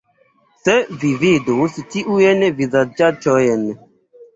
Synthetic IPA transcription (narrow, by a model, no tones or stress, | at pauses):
sɛvivid̪ositiʔujɛnɛvizad͡ʒat͡ʃɔjɛnɛ